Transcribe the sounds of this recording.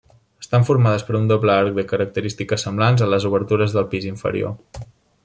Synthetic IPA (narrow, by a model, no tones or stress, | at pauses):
əst̪aɱfuɾmaðəspəɾund̪obləaɾk̚dðəkəɾək̚t̪əɾist̪ikəsːəmblanzənləzuβ̞əɾt̪uɾəzðəlˠpiziɱfə̰ɾḭo̰